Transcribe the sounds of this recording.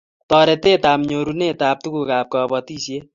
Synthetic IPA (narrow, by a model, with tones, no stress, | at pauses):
t̪ɔɾɛ˧t̪e˦t̪amɲoɾune˦t̪aː˧p̚t̪u˦ku˧ka˨p̚kɔbɔt̪i˦sje˦